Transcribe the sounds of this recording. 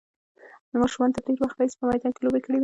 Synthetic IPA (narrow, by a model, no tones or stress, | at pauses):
d̪əmɑʃumɑnd̪t̪aɖeɾwaxt̪ajispəmajd̪ɑnkelobekəɽewi